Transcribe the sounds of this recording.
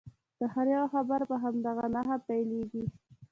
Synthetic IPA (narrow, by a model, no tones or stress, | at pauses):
d̪̥əhaɾjɑwxabaɾbaɦamd̪aɣanaɦapajleɡi